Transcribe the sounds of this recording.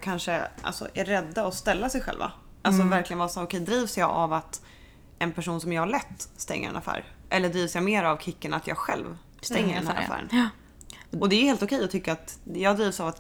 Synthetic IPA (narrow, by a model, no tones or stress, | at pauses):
kʰanʂəʔa̰lsɔ̰ʔæɾːɛd̪ːaɔst̪ɛlːasɛjɧɛ̰lva̰ | ʔalsɔvæɾklɪɡənvɑːɾsaːɾʊkʰɛjd̪ɾiːvsjɑːʔavat̪ | ɛnpʰæʂuːnsɔmjɑːɡhaɭɛt̪ːst̪ɛ̰ŋːə̰ɾɛ̰nafæ̰ːɾʔɛlːəɖɾiːvsjɑmeːɾavkʰɪkːənat̪ʰjɑ̰ːɡɧɛ̰lv | st̪ɛŋːəd̪ɛnhæ̰ːɾa̰fæ̰ːɾə̰n | ɔd̪ɛːheːlt̪ɔkʰɛjɔt̪ʰʏkːəɾat̪jɑːd̪ɾiːvsavat̪